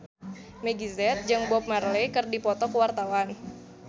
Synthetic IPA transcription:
mɛɡizɛt̪̚d͡ʒɨŋbɔp̚marlekɨrdipɔt̪ɔkəwart̪awan

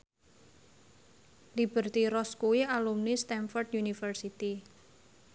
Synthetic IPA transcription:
lib̥ə̤rt̪iɾɔskuialumnist̪ɛnfɔrt̪junifərsit̪i

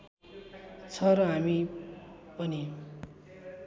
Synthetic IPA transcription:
t͡sʰʌɾʌɦami | pʌni

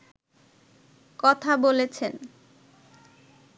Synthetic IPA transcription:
kɔt̪ʰabolet͡ɕʰen

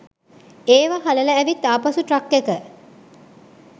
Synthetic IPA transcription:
eːʋaɦalələæʋit̪̚d̪aːpasuʈrakːekə

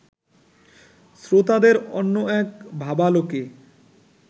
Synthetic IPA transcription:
sɾot̪ad̪eɾɔnːoɛkbʱabaloke

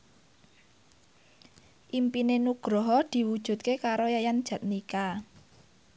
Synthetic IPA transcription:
ʔimpinenuɡ̥ɾɔɦɔd̪̥i̤wud̥ʒ̥ṳt̪̚kekaɾojajand̥ʒ̥ä̤t̪̚nika

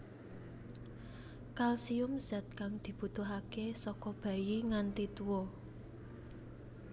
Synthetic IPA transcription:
kalsiʊmsɛ̤t̪̚kaŋd̪̥i̤b̥ṳt̪ʊɦakesɔkɔb̥ä̤jiŋant̪it̪uwɔ

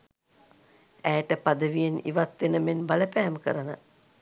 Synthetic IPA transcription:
æjʈəpad̪əʋijenḭʋat̪ʋenəmenbaləpæːməkə̰ɾanə

